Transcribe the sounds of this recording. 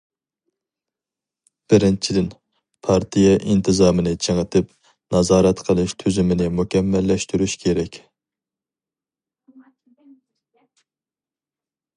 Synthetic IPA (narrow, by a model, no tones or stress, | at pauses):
b̥ɪɾɪnt͡ʃʰid̪ɪn | pʰɑɾt̪ʰijɛʔint̪ʰɨzɑːmɨnɪt͡ʃʰeŋət̪ʰɪp | nɑzɑːɾɛt̪qʰəlˠɪʃt̪ʰøzymɪnɪmukʲʰɛmːɛlːɛʃt̪yɾyʃkʲʰeɾɛkʲ